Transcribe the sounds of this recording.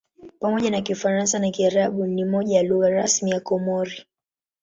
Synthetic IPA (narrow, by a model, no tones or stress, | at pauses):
pamɔʄanakifaɾansanakiaɾaɓunimɔʄajaluɣaɾasmijakɔmɔɾi